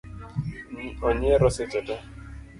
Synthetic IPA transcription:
niɔɲɛɾɔsɪtɛtɛ

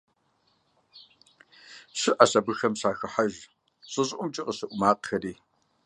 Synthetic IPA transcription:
ɕɪʔɐɕɐbɨxɐmɕaːxɐħaʒ | ɕʼɨɕʼʔʷʊmt͡ʃʼɪqʼəɕɨʔʷʊmaːqxɐriː

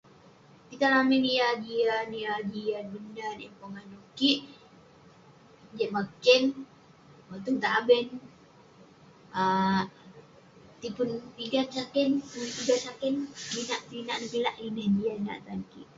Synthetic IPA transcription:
kit̪alamɛnijad͡ʒianiad͡ʒianbəndanɛ̰mpoŋanukiʔ | d͡ʒɛʔmakɛn | mɔt̪uŋt̪abɛn | a | t̪ipʊnpiɡansakɛnuipiɡansakɛnbinaʔt̪inaʔnəpilaʔlinand͡ʒiaːa̰ʔt̪ankḭʔ

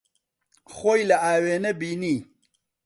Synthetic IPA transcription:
xoːjlaaːweːnɐbiːni

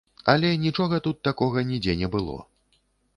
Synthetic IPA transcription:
ɐ̰lʲɛnʲit͡ʂɔɣɐt̪ut̪ːakɔɣɐnʲid͡zʲɛnʲɛbɨlˠɔ̰

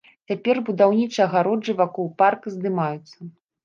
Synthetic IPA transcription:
t͡sʲapʲɛrbud̪awnʲit͡ʂɨɐɣaɾɔd͡ʐɨvakɔwparkzd̪ɨmajut̪sːɐ

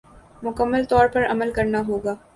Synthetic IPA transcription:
mʊkəmːəlt̪ɔːɾpɐɾɐməlkɐɾnaɦoːɡaː

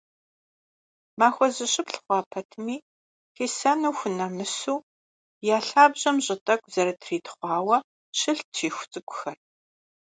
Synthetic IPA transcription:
maːxʷɔzɨɕɪpɬχʷɑːpʰɐtʰmiː | xiːsɐnuːxʷʊnɐmɨsuː | jaːɬaːbʑɐmʑʼɪtʼɐkʷʼz̥ɐɾɐtʰriːtʰχʷɑːwɐ | ɕɨɬt͡ʃʰiːxʷʊ̥t͡sʼɨkʷʼʊ̥xɐr

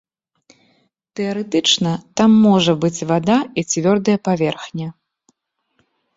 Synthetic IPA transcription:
t̪ɛɐɾɛt̪ɨt͡ʂnɐt̪amːɔʐɐbɨt͡sʲvad̪ait͡sʲvʲɔrd̪ɐjɐpavʲɛrxnʲɐ

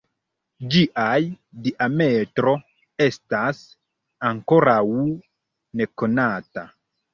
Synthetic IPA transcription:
d͡ʒiʔaj | diʔame̞tɾo̞ | e̞stas | aŋko̞ɾaw | ne̞ko̞nata

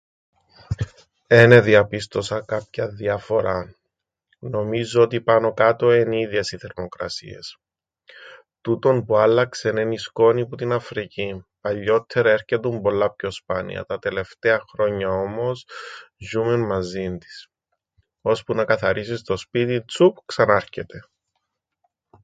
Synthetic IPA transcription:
ene̞ðiɐpist̪o̞sɐkɐpçɐðiɐfo̞ɾɐ | no̞mizoot̪̬ipɐno̞kɐt̪o̞eniðe̞siθe̞ɾmo̞kɾɐ̰sḭe̞̰s | t̪ut̪o̞npuɐlːɐkse̞nenisko̞niput̪inɐfɾicipɐʎːo̞t̪ʰːe̞ɾɐe̞ɾçet̪umbo̞lːɐpço̞spɐnḭɐ̰t̪ɐt̪e̞le̞ft̪eɐxɾo̞ɲːɐo̞mo̞sʒumunmɐzind̪i̥s | o̞spunɐkɐθɐɾisist̪o̞spit̪it͡sup̚ksɐnɐɾçe̞t̪e̞

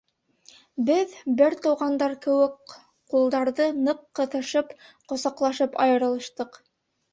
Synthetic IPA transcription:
bɘðbɘɾt̪ɤ̆wʁɑnd̪ɑɾkɘ̆wɘk | qulˠd̪ɑɾðɤnɤqːɤ̆θɤ̆ʃɤpqŏsɑqlˠɑʃɤpɑ̰jɤ̆ɾɤ̆lˠɤ̆ʃt̪ɤq

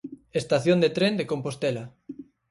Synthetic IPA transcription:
est̪aθjond̪et̪ɾend̪ekompost̪ela

